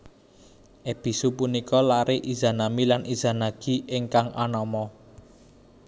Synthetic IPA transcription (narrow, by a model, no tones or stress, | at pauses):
ʔeb̥i̤supunikɔlaɾeʔiza̤namilanʔiz̥a̤naɡ̥i̤ɪŋkaŋʔa̰nɔmɔ